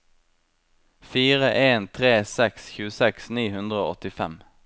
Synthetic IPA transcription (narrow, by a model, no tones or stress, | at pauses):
fiːʁəʔeːnt̪ʰʁeːsɛksçʉːəsɛksniːhʉnd̪ʁəo̰ːɔt̪ɪfɛm